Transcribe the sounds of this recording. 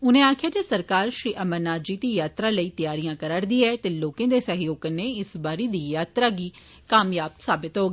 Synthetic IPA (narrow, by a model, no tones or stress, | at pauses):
ʊnẽːaːkʰɪjaːd͡ʒesəɾkaːɾʃɾiːʔəməɾnaːd͡ʒiːt̪iːjaːt̪ɾaːləiːt̪ɪjaːɾijãːkəɾəɽd̪iːɛːt̪eːloːkẽːd̪eːsəɦjoːkəneːɪsbaːɾeːd̪iːjaːt̪ɾaːɡiː | kaːmjaːpsaːbɪt̪ɦoːɡː